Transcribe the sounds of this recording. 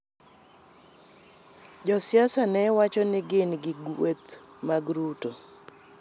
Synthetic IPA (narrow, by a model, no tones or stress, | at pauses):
d͡ʒɔsjasanɛwat͡ʃɔnɪɡɪnɡɪɡet̪maɡɾuto